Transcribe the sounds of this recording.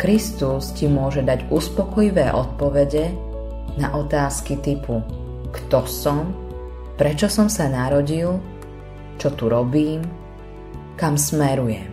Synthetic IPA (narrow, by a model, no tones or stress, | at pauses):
kɾist̪uscimʊɔʒɛd̪aɟuspɔkɔjiʋɛːʔɔt̪̚pɔʋɛɟɛ | naʔɔt̪aːskit̪ipukt̪ɔsɔm | pɾɛt͡ʃɔsɔmsanaɾɔɟil | t͡ʃɔt̪uɾɔbiːm | kamsmɛɾujɛm